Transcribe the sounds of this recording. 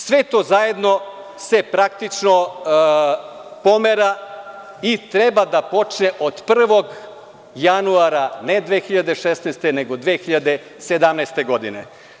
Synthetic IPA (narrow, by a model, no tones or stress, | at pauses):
sʋe̞t̪o̞ːzaje̞d̪no̞ | se̞pɾak̚t̪it͡ʃno | po̞meɾa | it̪ɾe̞bad̪apo̞t͡ʃneʔod̪pr̩ʋo̞ɡ | januaɾaned̪ʋexiʎad̪e̞ʃesnɛst̪e̞ne̞ɡod̪ʋexiʎad̪e̞ | se̞d̪amnɛst̪eɡo̞d̪inḛ